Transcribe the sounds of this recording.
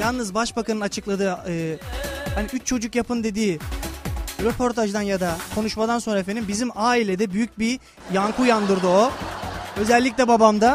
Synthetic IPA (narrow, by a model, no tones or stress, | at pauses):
jalˠnɯzbaʃbakʰanɯnat͡ʃʰɯklˠad̪ɯːɯːhaniyt͡ʃt͡ʃʰo̞d͡ʒukjapʰɯnd̪e̞d̪iː | ɾepʰo̞ɾt̪ʰaʒd̪anjad̪akʰo̞nuʃmad̪anso̞nɾaefenimbizimaːilʲed̪ɛbyjyc̚bi | jaŋkʰujand̪ɯɾd̪ɯo | ø̞zɛlʲːicʲlʲɛbabamd̪a